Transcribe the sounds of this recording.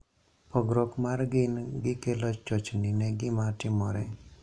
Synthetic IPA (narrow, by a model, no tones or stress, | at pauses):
pʰɔɡɾɔkmaɾɡinɡikelɔt͡ʃt͡ʃɔt͡ʃnineɡimaʈimɔɾe